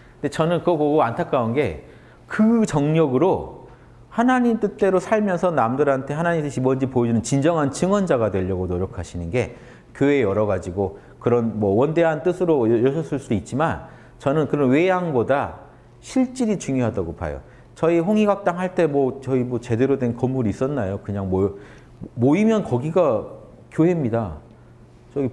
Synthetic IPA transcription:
nde̞t͡ɕʌnɯnkɯʌkoɡoantʰak͈aunɡe̞ | kɯt͡ɕʌŋɲʌɡɯɾo | hanaɲimt͈ɯt͈e̞ɾosʰaɭmjʌnsʰʌnamdɯɾɦantʰe̞hanaɲimt͈ɯɕʰibʌnd͡ʑipoed͡ʑinɯnt͡ɕind͡ʑʌŋɦant͡ɕɯŋʌnd͡ʑaɡadwe̞ʎːʌɡonoɾjʌkʰaɕʰinɯnɡe̞ | kjoejʌɾʌɡad͡ʑiɡo | kɯɾʌnmwʌwʌnde̞ɦant͈ɯsʰɯɾojʌɕʰʌs͈ɯɭs͈udoit̚t͡ɕ͈iman | t͡ɕʌnɯnkɯɾʌnwe̞jaŋboda | ɕʰiɭt͡ɕ͈iɾit͡ɕuŋjoɦadaɡopa̰jo̰ | t͡ɕʌiɸoŋiɡak̚t͈aŋɦaɭt͈e̞mwʌt͡ɕʌimwʌt͡ɕe̞de̞ɾodwe̞nkʌmːuɾiis͈ʌnːajokɯɲaŋmo | moimjʌnkʌɡiɡa | kjoɦe̞mɲida | t͡ɕʌɡi

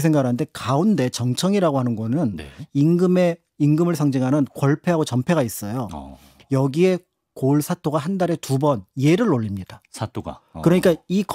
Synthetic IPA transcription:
sʰe̞ŋɡakɾanɯndekaunde̞t͡ɕʌŋt͡ɕʰʌŋiɾaɡohanɯnɡʌnɯnninɡɯme̞ | inɡɯmɯɭsʰʌŋd͡ʑiŋɦanɯnkwʌɭpʰe̞ɦaɡot͡ɕʌmpʰe̞ɡais͈ʌjo̰ | jʌɡie̞ | koɭsʰatʰoɡaɦandaɾe̞tubʌnje̞ɾɯɭːoʎːimɲid̥asʰatʰoɡa̰kɯɾʌɲik͈aik

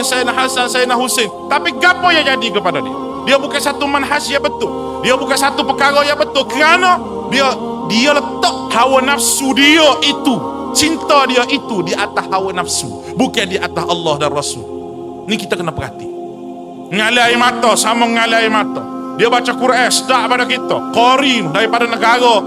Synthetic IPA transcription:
sajnaɦasalsajnaɦusent̪apiɡapɔjad͡ʒadikəpadadia̰ | diabukasat̪umanɦasjabət̪ʊl | diabukansat̪upəkaɾɔjabət̪ʊlkəɾanɔ | diə | dialət̪ɔʔ̚hawanafsudiəʔit̪ut͡ʃint̪ɔdiaʔit̪udiʔat̪ahːawanafsu | bukadiaʔat̪aɦɑlːahdanrɔsʊ̰l | nikit̪akənapəkat̪i | ŋaliaimat̪ɔsamɔŋŋaliaimat̪ɔdiabat͡ʃakuɾaɛsdaʔpadakit̪akɔɾimdaɾipadanəɡaɾɔ

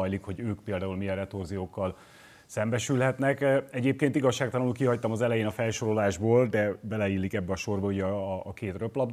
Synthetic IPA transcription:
jlikhoɟøːkpeːld̪aːulmiɛɾɛt̪orzijoːkːɒl | sɛmbɛʃylɦɛt̪nɛkɛɟeːp̚keːnt̪iɡɒʃːaːkt̪ɒlɒnulkiɦɒct̪ɒmɒzɛlɛjeːnɒfɛlʃo̞ɾo̞laːʒboːld̪ɛbɛlɛilːikɛbːɛɒʃo̞rbɒuɟɛːkeːt̪røplɒb

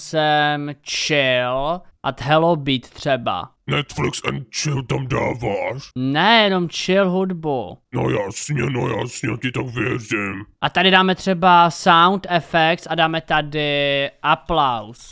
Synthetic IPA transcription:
sɛmt͡ʃɪlʔat̪ɦɛlobiːt̪ːr̝̥ɛba̰ | nɛt̪flɪksɛ̰nt̪̚t͡ʃɪlt̪amda̰ːvaʂnɛjɛno̞mt͡ʃɪlɦudbuno̰jasɲɛnoja̰ːsɲɛcɪt̪akvjɛrɪmʔat̪adɪdaːmɛt̪r̝̥ɛbasawnt̪ɛfɛkt̪sadaːmɛt̪adɪʔaplaws

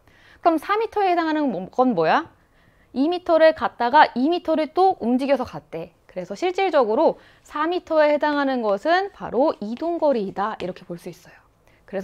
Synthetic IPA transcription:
kɯɾʌmsʰamitʰʌeheaŋɦanɯnkʌnmʌja | imitʰʌɾɯɭkat̚t͈aɡaʔimitʰʌɾɯɭt͈oumd͡ʑiɡjʌsʰʌkat͈e̞ | kɯɾe̞sʰʌɕʰiɭt͡ɕ͈eɭd͡ʑʌɡɯɾo | sʰamitʰʌehe̞daŋɦanɯnɡʌsʰɯnpa̰ɾoidoŋɡʌɾidaiɾʌkʰe̞poɭs͈uis͈ʌjo | kɯɾe̞sʰ

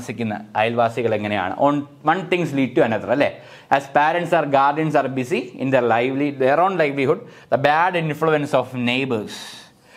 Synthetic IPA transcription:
sikʲːunːɐ̰ɐjlʋaːsiɣɐɭeŋːɐneja̰ːɳɨ̰ʔoːn | ʋɐnt̪ĩŋɡsliːɖ̚ʈːuɐnɐt̪rɐɐlːeː | æspeːɾeɳʈsaːrɡaːrɖiɐnsaːrbisiḭnd̪erlajʋlid̪eɾoːɳɖlajʋlihuɖd̪ɐbaːɖinfɭuensoːfnejbɐɾs

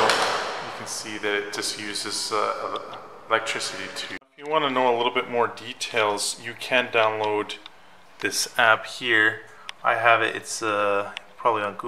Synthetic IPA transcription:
jɨkʰn̩siðɨɾɨt̚d̥ʒ̥ʌstjʉzɨzʌ | əlɛk̚tʰɹ̥ɪsɨɾiɾʰɨfjɨwɑ̃nənoʊəlɪɾl̩ˠbɪt̚mɔɹditʰeɪlˠz̥jɨkʰɨ̃ndãʊ̃nloʊd̪̚ | ðɪsæphiɹ | ʔa̰ɪɨvɨʔɪ̰tsʌpʰɹ̥ɑbəbliə̃nɡ

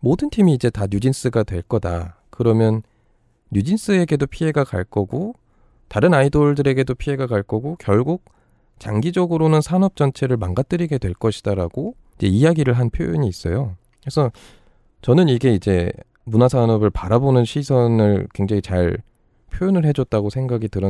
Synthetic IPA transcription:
modɯntʰimiːd͡ʑe̞taɲud͡ʑins͈ɯɡadwe̞ɭk͈ʌda̰ | kɯɾʌmjʌnː | ud͡ʑins͈ɯe̞ɡe̞dopʰie̞ɡaka̰ɭk͈ʌɡo | taɾɯnaidoɭdɯɾe̞ɡe̞dopʰie̞ɡakaɭk͈ʌɡokjʌɭɡuk̚ | t͡ɕaŋɡid͡ʑʌɡɯɾonɯnsʰanʌp̚t͡ɕ͈ʌnt͡ɕʰe̞ɾɯɭmaŋɡat͈ɯɾiɡe̞dwe̞ɭk͈ʌɕʰi̥d̥aɾaɡ̥o | id͡ʑe̞ijaɡiɾɯɭɦanpʰjojoɲiːs͈ʌjo | kɾesʰʌ | t͡ɕʌnɯniɡe̞id͡ʑe̞ | munasʰanʌbɯɭpaɾabonɯnɕʰisʰʌnɯɭkwe̞ŋd͡ʑaŋit͡ɕaɭ | pʰjojonɯɭɦe̞d͡ʑʌt̚t͈aɡosʰe̞ŋɡaɡitɯɾʌ

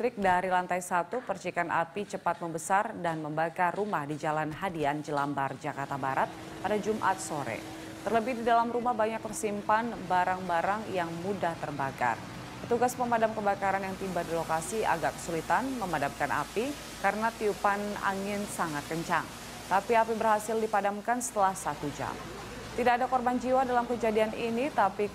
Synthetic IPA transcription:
ɾɪk̚daɾilant̪ajsat̪upərt͡ʃikanʔa̰pit͡ʃəpat̪̚məmbəsardanməmbakarːumahdid͡ʒalanɦadiand͡ʒəlambard͡ʒakart̪abaɾat̪̚ | padad͡ʒumʔa̰t̪̚soɾɛ̰ | t̪ərləbɪhdidalamɾumahbaɲak̚t̪ərsimpanbaɾaŋbaɾaŋjaŋmudaht̪ərbaka̰r | pət̪uɡaspəmadamkəbakaɾanjaŋt̪ibadilokasia̰ɡakə̥sulit̪anməmadamkanʔa̰pi | kaɾənat̪iupana̰ŋɪnsaŋat̪̚kəɲt͡ʃa̰ŋ | t̪apiapibərhasɪldipadamkansə̥t̪əlahsat̪ud͡ʒa̰m | t̪idakːadakɔrband͡ʒiwadalamkəd͡ʒadianinit̪api

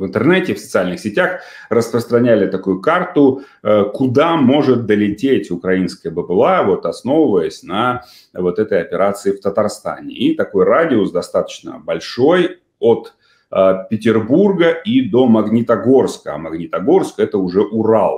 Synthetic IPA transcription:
vɨnt̪ərnɛtʲɪfsət̪sɨalʲnɨxsʲɪtʲax | rəspɾəst̪ɾɐnʲælʲɪt̪ɐkujʊkart̪ʊ | kʊd̪amo̞ʐɨt̪̚d̪əlʲɪtʲetʲʊkɾɐinskəjəbɨpɨlˠavo̞t̪ɐsno̞vəvəjəsʲnɐ | vo̞t̪ɛt̪əjɐpʲɪɾʔat̪sɨɪft̪ət̪ɐrst̪a̰nʲɪ̰it̪ɐko̞jradʲɪosd̪ɐst̪at̪ə̥t͡ɕnə̰bɐlʲʂo̞j | ot̪ | əpʲɪtʲɪrburɡəid̪o̞mɐɡnʲit̪ɐɡo̞rskəa̰mɐɡnʲit̪ɐɡo̞rskɛt̪əʊʐɛʔʊralˠ

